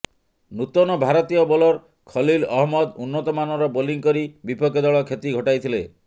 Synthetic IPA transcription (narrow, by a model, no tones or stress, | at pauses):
nut̪ɔnɔbʱaɾɔt̪ijɔbɔlɔɾ | kʰɔlilɔɦmɔd̪unːɔt̪ɔmanɔɾɔboliŋkɔɾibipɔkɔd̪ɔɭɔkʰet̪iɡʱɔʈajt̪ʰile